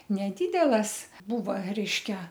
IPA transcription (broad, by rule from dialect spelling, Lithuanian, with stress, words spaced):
nʲɛˈdʲiːdʲɛlˠɐs ˈbuːʋɐ ˈrʲɛɪʃʲkʲɛ